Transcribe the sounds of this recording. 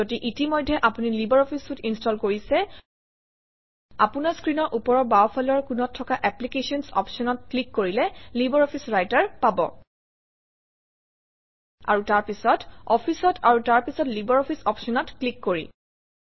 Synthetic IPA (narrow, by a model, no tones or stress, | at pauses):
otiʔitimɔjdʱːɛʔapunilibɔɹɔpʰisutinstɔlkoɹisɛ | a̰punaɹskɹinɔɹʔupɔɹɔbaɔpʰalɔɹkunɔtʰːɔkaʔɛplikesɔnsɔ̰pʰsɔnɔt̚klikːoɹilɛlibɔɹɔpʰisɹajtaɹpabɔ̰ | a̰ɹutaɹpisɔtɔpʰisɔtʰaɹutaɹpisɔtlibɔɹɔpʰisɔpsɔnɔtklikːoɹḭ